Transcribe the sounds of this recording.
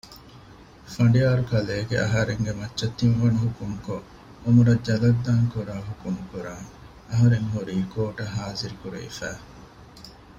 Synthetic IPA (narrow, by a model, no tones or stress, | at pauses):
fɐɳɖijaːɾukɐleːɡḛʔɐ̰ɦɐɾeŋɡemɐtːʃɐt̪ːinʋɐnuɦukumuko | omuɾɐd͡ʒɐlɐd̪ːaːŋkuɾaːɦukumukuɾaːŋ | ɐɦɐɾeŋɦuɾiːkoːʈɐɦaːziɾikuɾḛḭfæ̰ː